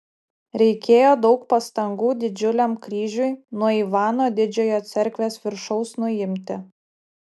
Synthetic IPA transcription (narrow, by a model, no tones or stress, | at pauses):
ɾʲɛɪkʲeːjoːd̪ɒʊkpɐst̪ɐŋɡuːd̪ʲɪd͡ʒʲʊlʲɛmkɾʲiːʒʲʊjnuɔiːʋɑːnoːd̪ʲɪd͡ʒʲoːjoːt̪sʲɛɾʲkʋʲeːsʋʲɪɾʃɔʊsnʊɪmʲt̪ʲɪ